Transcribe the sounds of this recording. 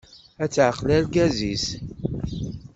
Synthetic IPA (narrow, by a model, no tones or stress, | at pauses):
æt͡sːʕəqlælɡæzis